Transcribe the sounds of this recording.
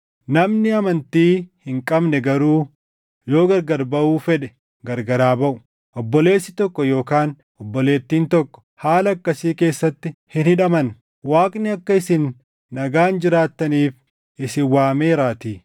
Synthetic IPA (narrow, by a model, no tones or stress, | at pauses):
nɐmnɪɐmɐnt̪iːhɪŋkʼɐbnɛɡɐɾuː | jo̞ːɡɐɾɡɐɾbɐuːfɛᶑɛ̥ | ɡɐɾɡɐɾaːbɐʔʊ̥ | ʔɔbːɔle̞ːsːɪt̪ɔkːɔjo̞ːkaːn | ɔbːɔle̞ːt̪ːiːnt̪ɔkːɔ̥ | haːlɐːkːɐsiːke̞ːsːɐt̪ːɪhɪnhɪᶑɐmɐn | waːkʼnɪɐkːɐɪsɪnː | ɐɡaːnd͡ʒɪɾaːt̪ːɐniːf | ʔɪsɪwaːmeːɾaːt̪iː